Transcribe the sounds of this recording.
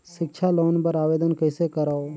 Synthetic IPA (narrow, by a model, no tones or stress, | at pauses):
ʃɪkʃʰaloːnpəɾaːʋeːd̪ənkəɪsekəɾaːo